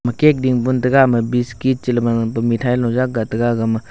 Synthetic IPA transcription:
mɐkek̚diŋpuntɐɡamɐbiskit̚t͡ʃilɐmapumitʰajlɔwzak̚ɡatɐɡaɡamɐ

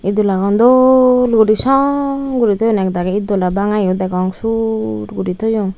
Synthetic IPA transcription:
id̪ulakɔnd̪olɡudisɔŋɡuɾit̪ɔjonɛk̚d̪akɛid̪olabaŋajod̪ɛkɔŋsuɾɡudit̪ojɔŋ

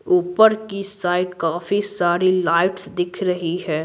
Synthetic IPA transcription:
uːpəɾkisaːɪʈkaːfisaːɾilaːɪʈsd̪ɪkʰɾɐɦiɦɛː

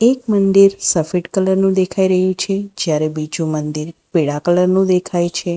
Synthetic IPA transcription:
ekmənd̪iɾsəfiʈkələɾnũd̪ekʰaiɾəɦũt͡ʃʰed͡ʒjaɾebid͡ʒũmənd̪iɾpiɭakələɾnũd̪ekʰajt͡ʃʰe

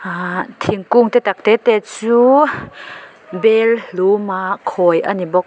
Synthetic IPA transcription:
at̪ʰiŋkuŋt̪ɛt̪ak̚t̪ɛt̪ɛt͡suː | bɛllumakʰɔjʔa̰nibɔk̚

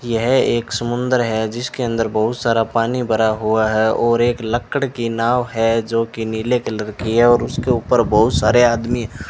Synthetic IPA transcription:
jəɦeːksəmʊ̃nd̪əɾɦɛd͡ʒɪskeə̃nd̪əɾbɐɦʊt̪saːɾapaːnibɐɾaɦuaɦɛɔːɾeːkləkːəɽkinaːwɦɛd͡ʒoːkiniːlekeləɾkiɦɛɔːɾʊskeuːpəɾbɐɦʊt̪saːɾeaːd̪miɦɛ

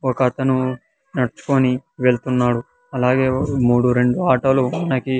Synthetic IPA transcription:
okɐːt̪ɐnu | nɐɽt͡ʃːu̥koːniʋe̞ɭt̪unːaːɽu | ɐlaːɡe̞ːmuːɽuɾe̞ɳɖuaːʈɐluɐnɐki

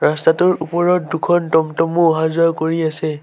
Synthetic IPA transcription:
ɹastatʊɹupɔɹɔt̚dukʰɔntɔmtɔmuɦazɔjkoɹiasɛ

